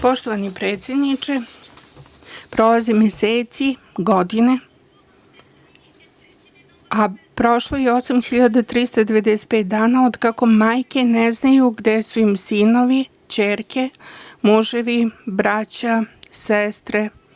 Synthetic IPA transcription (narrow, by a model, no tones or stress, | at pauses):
po̞ʃt̪oʋanipɾeːt̪sje̞d̪nit͡ʂe | pɾo̞lazemjeseːt̪siɡo̞d̪ine | apɾo̞ʃlˠo̞jeo̞samxiʎad̪at̪ɾist̪od̪e̞ʋed̪ɛse̥t̪̚pe̞ːt̪̚d̪aːnaod̪kako̞maːjke̞nɛznajuɡd̪esuimsino̞ʋi | t͡ɕeːɾkemuʒeʋibɾat͡ɕasest̪ɾe